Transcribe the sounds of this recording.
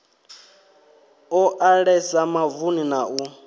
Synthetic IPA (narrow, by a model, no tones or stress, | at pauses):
ɔʔaɺɛsamavuninau